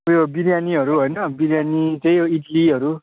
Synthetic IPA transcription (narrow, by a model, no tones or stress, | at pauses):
ʌbjobiɾjaniɦʌɾuɦojnʌbiɾjanit͡sʌ̃ĩoiʈliɦʌɾu